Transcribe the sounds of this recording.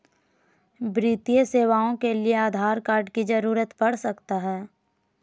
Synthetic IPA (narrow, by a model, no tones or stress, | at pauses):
bɾiːt̪ijəseːʋaːõkelieaːd̪ʱaːɾkaːɾɖkid͡ʒɐɾuːɾət̪bɐɽsɐkt̪aɦɛː